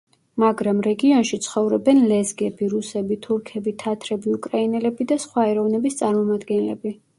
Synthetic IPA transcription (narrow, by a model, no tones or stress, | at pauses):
maɡɾamɾɛɡiɔnʃit̪sʰχɔvɾɛbɛnlɛzɡɛbiɾusɛbit̪ʰuɾkʰɛbit̪ʰat̪ʰɾɛbiukʼɾainɛlɛbid̪asχwaɛɾɔvnɛbist̪sʼaɾmɔmad̪ɡɛnlɛ̰bi